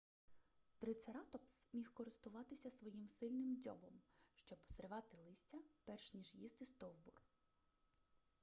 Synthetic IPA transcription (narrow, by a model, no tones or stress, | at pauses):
t̪ɾɪt̪sɐɾɑt̪ɔpsmʲixkɔɾɪst̪ʊʋɑt̪ɪsʲɐsʋɔjimsɪlʲnɪmdʲɔ̰bɔmʃt͡ʃɔbpɔ̥sɾɪʋɑt̪ɪlˠɪsʲtʲɐpɛrʃnʲiʒjist̪ɪst̪ɔwbur